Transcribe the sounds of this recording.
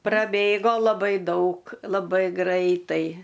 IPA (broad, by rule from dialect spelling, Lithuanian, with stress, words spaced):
prɐˈbʲeːɡoː lˠɐˈbɐɪ ˈdɐʊk lˠɐˈbɐɪ ˈɡrɐɪtɐɪ